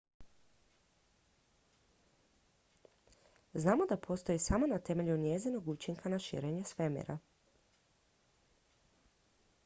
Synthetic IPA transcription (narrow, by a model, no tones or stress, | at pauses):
znaːmo̞d̪apʰo̞ːst̪o̞jisamo̞nat̪e̞me̞ʎunjezino̞ɡuːt͡ʃiŋkʰanaʃḭːɾe̞ɲesʋemḛɾa̰